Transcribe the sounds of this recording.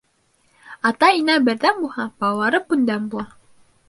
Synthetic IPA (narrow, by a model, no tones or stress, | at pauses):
ɑt̪ɑinæbɘ̆ɾðæmbuhɑpɑwɑɾɤpːund̪æmbulˠɑ